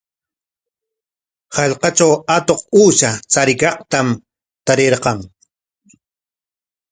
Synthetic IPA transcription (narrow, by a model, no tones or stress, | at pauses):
hɑʎqɑt͡ʃawat̪oq̚uːʃat͡saɾɪkɑqt̪am | t̪aɾeɾqɑŋ